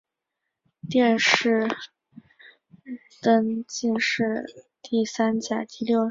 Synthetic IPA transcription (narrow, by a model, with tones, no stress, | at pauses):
t̪jɛ˥˧nʂɻ̩˥˩ | t̪ə˥nt͡ɕi˥˧nʂɻ̩˥˧ | t̪i˥˩sa˥nt͡ɕja̰˨˩t̪i˥˧ljo˥˩ʊ